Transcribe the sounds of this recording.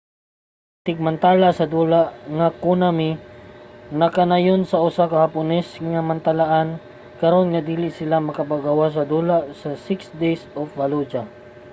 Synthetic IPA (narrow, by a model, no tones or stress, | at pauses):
t̪ɪɡ̚mɐnt̪aːlasɐd̪uːlaʔŋɐkunamɪ | ŋɐkɐnajonsɐʔʊsakɐhɐpʊnɛsŋɐmɐnt̪ɐlaʔan | kɐɾo̞nŋɐd̪iːlɪʔsɪlamɐkɐpaɡɐwas̬ɐd̪uːlasɐsɪksd̪ejsofvɐlud͡ʒa